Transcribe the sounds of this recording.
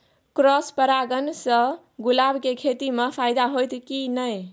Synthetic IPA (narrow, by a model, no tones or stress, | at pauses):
kɾɔspəɾaɡənsə̃ | ɡulabkekʰet̪imepʰajd̪aɦojt̪kinəj